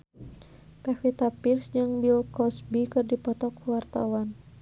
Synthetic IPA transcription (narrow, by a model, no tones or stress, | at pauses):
kafit̪apirsd͡ʒɨŋbilkɔsbikɨrdipɔt̪ɔkːuwart̪a̰wan